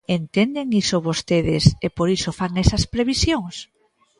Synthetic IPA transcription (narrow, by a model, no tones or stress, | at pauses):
ent̪end̪eŋisoβost̪eðɪsepoɾisofaŋɛsɐspɾeβisjoŋs